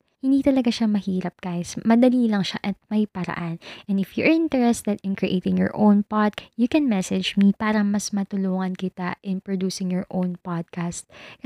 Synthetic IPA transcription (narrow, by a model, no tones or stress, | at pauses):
hɪnd̪iːt̪ɐlɐɡaʃamɐhiːɾɐp̚ɡ̥aʔɪsmɐd̪ɐliːlɐŋʃaʔɐt̪̚mɐjpɐɾɐ̰ʔanʔɛnd̪ɪfjɔʔɪ̃nt̪ɛɹɛst̪ɛd̪ɪ̃nkɹɪʔeːt̪ɪ̃ŋjɔ̰ɹʔownpad̪̚jukɛnmɛsɛd͡ʒmipaːɾɐmɐsmɐt̪ʊluːŋɐnkɪt̪aʔɪnpɹod̪uːsɪŋjɔɹʔõwnpad̪̚kast̪̚